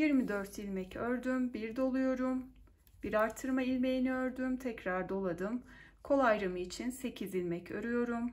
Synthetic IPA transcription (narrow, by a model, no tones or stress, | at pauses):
jiɾmid̪øɾt̪ʰilʲmɛcøɾd̪ymbiɾd̪o̞lˠujo̞ɾum | b̥iɾaɾt̪ʰːɯɾmailʲme̞jiniøɾd̪ymt̪ʰɛcɾaɾd̪o̞lˠad̪ɯm | kʰo̞lˠajɾamɯit͡ʃʰinse̞cʰizilʲmɛcʰø̰ɾyjo̞ɾum